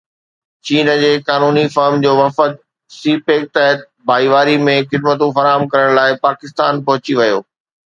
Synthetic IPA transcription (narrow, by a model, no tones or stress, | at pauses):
t͡ɕiːnd͡ʑeːkaːnuːnifɐɾmd͡ʑoːʋɐfət̪̚ | siːpeːk̚t̪ɛɦət̪̚ | bʱaːiʋaːɾimẽxɪd̪̚mət̪ũfɐɾaːɦəmkɐɾəɽ̃laːɪpaːkɪst̪a̰ːnpɐɦʊt͡ɕiʋɐjo̰ː